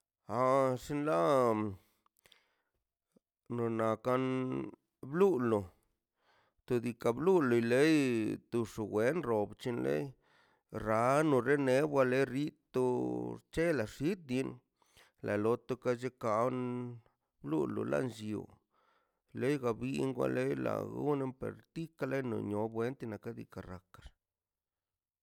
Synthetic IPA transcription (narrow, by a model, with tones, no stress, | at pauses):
a˧ʂi˦nla˦ | no˨na˨ka˦n | blu˦lo˨ | t̪o˧d̪i˧ka˧blu˦lo˨jle˦jt̪u˧ʂo˨ɡwe˨˦nɾo˨bt͡ʃi˧nlḛ˦j | ɾa˨˦no˨ɾe˦ne˦bwa˧le˦ɾi˦t̪o˧t͡ʃe˦la˨ʂi˦t̪̚d̪i˧˦n | lʔa˨lo˧t̪o˧ka˧t͡ʃe˦ka˨˧n | blṵ˦lo̰˨la̰˦nt͡ʃṵ˨ | le˦jɡa˨bi˦ŋɡʷwa̰˦le˦jla̰˨ɡṵ˦ne˦mpḛ˨ɾt̪i˦ka˦le˦jno̰˨ɲo˨bwe˦nt̪i˧na˨ka˦d̪ḭ˨ka˨ɾa˨ka˨ɾ